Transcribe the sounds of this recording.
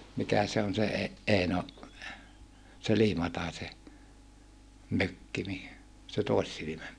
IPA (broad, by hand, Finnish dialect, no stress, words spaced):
mikæ se on se e eino se liːmɑtɑise møkːi ni se toˑisːilimæ